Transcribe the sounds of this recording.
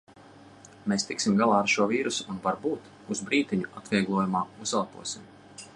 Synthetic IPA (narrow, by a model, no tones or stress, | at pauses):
meːst̪iksimɡalˠɑːaɾʃuɔviːɾusuunvaɾbuːt̪ | uzbɾiːt̪iɲuat̪vʲiɛɡlˠuɔjumaːuzalˠpṵɔsim